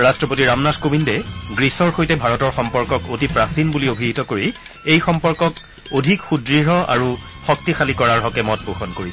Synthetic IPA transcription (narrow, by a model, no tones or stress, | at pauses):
ɹastɹɔpotiɹamnatkobindɛɡɹisɔɹxojtɛbʱaɹɔtɔɹxɔmpɔɹkɔkotipɹasinbuliobʱiɦitɔkoɹi | ejxɔmpɔɹkɔk | odʱikxudɹiɹɦɔa̰ɹu | xɔk̚tixalikɔɹaɹɦɔkɛmɔt̚poxɔnkoɹis